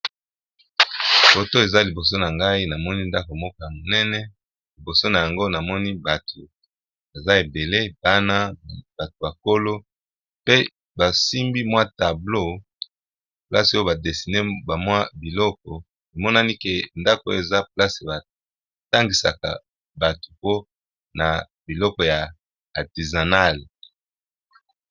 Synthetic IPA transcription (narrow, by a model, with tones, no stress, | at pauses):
fo˨to˦e˨za˦li˨bo˨s̬o˦na˨ŋɡa˦i˦na˨mɔ˦ni˦nda˦ko˨mɔ˦ka˦ja˨mo˨nɛ˦nɛ˦ | li˨bo˨so˦na˨ja˨ŋɡo˦na˨mɔ˦ni˦ba˨tʰo˨ | ba˨za˦e˨be˨le˦b̥a˦na˦b̥a˨to˨ba˨ko˦lo˦ | pe˦ | ba˨si˦mbi˦mwa˦ta˨blo˦ | pla˦si˨o˦jo˦ba˨de˨si˨ne˦ba˨mwa˦bi˨lɔ˦k̚ɔ˨ | e˨mɔ˦na˦ni˦ke˨nda˦ko˨e˨za˦pla˦si˨ba˨ | ta˦ŋɡi˨sa̰˨ka̰˨ | ba˨to̥˨po˦ | na˨ | bi˨lɔ˦kɔ˨jaː˨ | ti˨za˨na˦˨l